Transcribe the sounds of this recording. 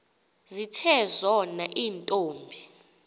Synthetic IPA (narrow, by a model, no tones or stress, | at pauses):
zitʰɛzɔnaʔiːntʼoːmbʱi